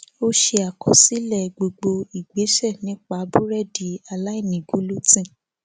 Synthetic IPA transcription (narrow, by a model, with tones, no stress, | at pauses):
o˦ʃe˧a˨kɔ˨si˨˦lɛ˦˨ɡ͡bo˨ɡ͡bo˧i˨ɡ͡be˨˦ʃɛ˦˨nĩ˨˦k͡pa˧˦bu˦ɾɛ˦˨di˨˦a˧la˦i˦˨nĩ˨ɡu˨˦lu˦tĩ˦˨